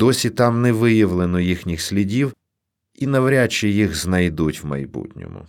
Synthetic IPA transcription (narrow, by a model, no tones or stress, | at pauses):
d̪̥ɔsʲit̪ɑmnɛʋɪjɐʋlˠenɔjixnʲixsʲlʲidʲiw | inɐʋɾʲat͡ʃijixznɐjd̪utʲwmɐ̰jbṵtʲnʲɔ̰mʊ̰